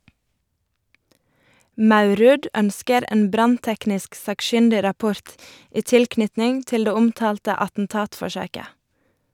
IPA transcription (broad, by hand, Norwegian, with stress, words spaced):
ˈmɑʉˌɾʉːd ˈœnskəɾ ˈeːn ˈbɾɑnˌtɛknɪsk sɑːkˈʃʏndɪɾɑˌpʊɾt ˈiː ˈtɪlˌknʏtnɪŋ ˈtɪl ˈdeː ˈʊmˌtɑːltə ɑtn̩ˈtɑːtfɔˌʃøːkə